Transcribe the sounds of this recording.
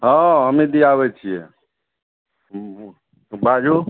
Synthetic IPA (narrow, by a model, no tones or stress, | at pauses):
ɦãɦəmĩd̪iaʋɛt͡ʃʰijɛ̰ | bʱad͡ʒu